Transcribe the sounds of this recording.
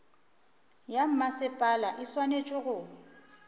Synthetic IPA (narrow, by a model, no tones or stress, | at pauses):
jam̩masɪpʼalaʔɪswanet͡ʃʼɪɣʊ